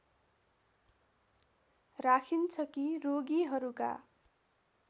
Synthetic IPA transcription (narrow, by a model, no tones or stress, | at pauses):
rakʰint͡sʰʌkiroɡiɦʌɾuka̰